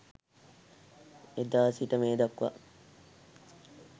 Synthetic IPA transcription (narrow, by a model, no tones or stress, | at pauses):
ed̪aːsiʈəmeːd̪ɐkʋɐ̰